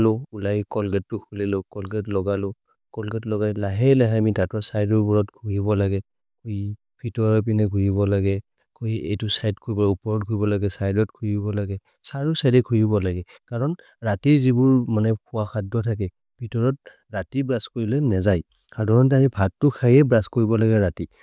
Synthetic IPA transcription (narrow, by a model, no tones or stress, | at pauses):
lʊulajkɔlɡɛtːʊkʰulilokɔlɡɛtlɔɡalʊ | kɔlɡɛtlɔɡajlaɦɛlaɦamitatɔsajdɔɹbɔɹɔtkʰujibɔlaɡɛ | kʰui | b̥ʰʱitɔɹɔp̬inɛɡʱujibɔlaɡɛ | koiḛjtusajdkʰoɹibɔlaupɔɹɔt̚kʰɔibɔlaɡɛsajdɔtkʰujibɔlaɡɛ | saɹusajdɛkʰujibɔlaɡɛ | kaɹɔn | ɹatizibʊɹmanɛkʰʊwakʰadːɔtʰak̬ɛ | bʱitɔɹɔt̚ | ɹatibɹaskoɹilɛnɛzaj | kaɹdʱɔɹɔnt̬aɹibʱattːʊkʰajɛbɹaskoɹibɔlaɡɛɹati